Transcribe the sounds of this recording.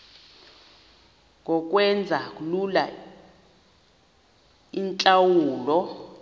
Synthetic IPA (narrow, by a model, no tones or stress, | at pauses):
ŋʱɔk̬ʼwɛnd͡zʱak̬ʼulula̰ | int͡ɬʼawuːlɔ